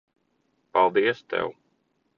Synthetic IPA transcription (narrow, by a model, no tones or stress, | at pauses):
palˠd̪iɛəst̪ɛ̰w